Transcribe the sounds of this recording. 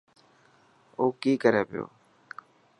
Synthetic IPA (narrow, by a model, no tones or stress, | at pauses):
oːkiːkəɾeːpɪjo̰ː